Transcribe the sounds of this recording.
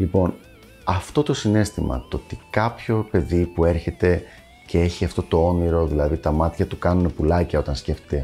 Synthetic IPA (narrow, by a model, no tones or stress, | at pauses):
lipo̞n | ɐft̪o̞t̪o̞sine̞st̪imɐ̰t̪oot̪ikɐpço̞pe̞ðipue̞ɾçe̞t̪e̞ | ce̞e̞çiɐft̪o̞t̪o̞o̞niɾo̞ðilɐðit̪ɐmɐt̪çɐt̪ukɐnune̞pulɐcɐo̞t̪ɐnsce̞ft̪e̥t̪e̞